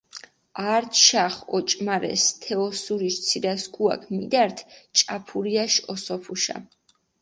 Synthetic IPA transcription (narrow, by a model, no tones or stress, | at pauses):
aɾt̪ʰʃaχɔt͡ʃʼmaɾɛ̰st̪ʰɛɔsuɾiʃt̪sʰidasɡʰʼua̰kʰmid̪aɾt̪ʰt͡ʃʼapʰuɾiaʃɔsɔpʰuʃa̰